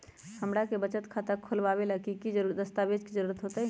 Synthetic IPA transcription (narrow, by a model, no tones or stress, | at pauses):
həmɽakebət͡ʃət̪kʰat̪əkʰolbaβelakikid͡ʒəɾuɾd̪əst̪abed͡ʒkid͡ʒəɾuɾət̪ɦot̪ə